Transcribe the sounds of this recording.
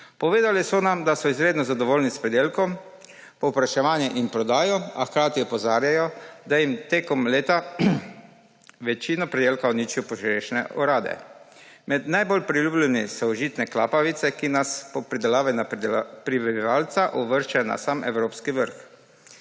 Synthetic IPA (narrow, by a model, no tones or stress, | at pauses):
pɔʋeːd̪alisɔnamd̪asɔizɾeːd̪nɔzad̪ɔʋoːlnispɾɛd̪eːlkɔm | pɔwpɾaʃɛʋaːnjɛʔinpɾɔd̪aːjɔaxkɾaːt̪iɔpɔzaːɾjajɔd̪ajimt̪eːkɔmleːt̪a | ʋɛt͡ʃinɔpɾɛd̪eːlkaɔniːt͡ʃjɔpɔʒiɾeʃnɛ̰ʔɔɾaːd̪ɛ̰ | mɛd̪najbɔlpɾiluːblɛnisɔɔʒiːt̪nɛklaːpaʋit̪sɛkinaspɔpɾid̪ɛlaːʋajnapɾiʋɛbiʋaːlt̪saʔɔʋəɾʃt͡ʃɛna̰saːmɛ̰wɾoːpskiʋəɾx